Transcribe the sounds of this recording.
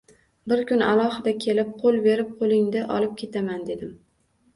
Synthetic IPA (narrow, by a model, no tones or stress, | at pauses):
bɪɾkʲʊna̰lˠɒhɪd̪akʲʰe̞lɪp̚qʰolˠbe̞ɾɪp̚qʰolˠɪŋd̪aʔɒ̰lɪp̚kʲʰe̞t̪ʰamand̪e̞d̪ɪm